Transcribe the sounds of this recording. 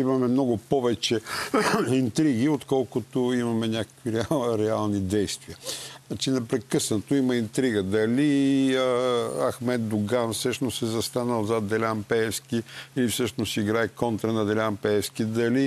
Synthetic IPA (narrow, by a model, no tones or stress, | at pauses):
imɐmɛmnɔɡʊpɔvɛt͡ʃɛ | int̪ɾiɡiot̪kɔlˠkʊt̪oimɐmɛnʲakə̥kviɾɛɾɛalˠnid̪ɛjst̪viənat͡ʃinɛpɾɛkɤsnət̪oimɐint̪ɾiɡəd̪ɐliəɐ̰xmɛt̪̚d̪ʊɡanfsɤʃnosɛzɐst̪anəlˠzɐd̪ɛlʲampɛɛskiilifsɤʃnosiɡɾaɛkɔnt̪ɾɐnɐd̪ɛlʲampɛɛskid̪ɐli